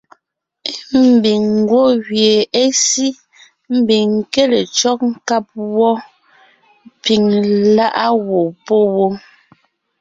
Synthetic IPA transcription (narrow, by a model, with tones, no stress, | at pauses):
e˦m̩˨bi˨ŋ˦ɡwo˦ɣje˨e˦si˦ | m̩˦bi˨ŋ˨ke˦le˨t͡ʃɔ˦k̚ŋ̩˦ka˦p̚wɔ˦ | pi˨ŋla˦ʔa˦wo˨po˦wo˦